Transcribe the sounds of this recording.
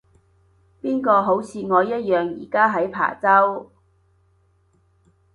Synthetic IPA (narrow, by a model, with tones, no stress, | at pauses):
piː˥nkɔː˧ɦo˨˥wt͡sʰiː˧ŋɔː˨˧jɐ˥t̚jœː˨ŋjḭː˨˩kaː˥ɦɐ˨˥jpʰa̰ː˨˩t͡sɐ˥w